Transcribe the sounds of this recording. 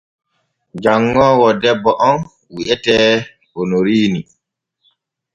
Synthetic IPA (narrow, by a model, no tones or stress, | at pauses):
d͡ʒaŋːɔːwɔdɛbːɔʔɔn | wiʔɛtɛː | onoɾiːni